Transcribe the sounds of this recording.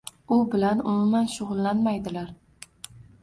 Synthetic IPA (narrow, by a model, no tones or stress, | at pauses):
ʊbɪlanʊmʊmanʃʊʁʊlˠːanmajd̪ɪlaɾ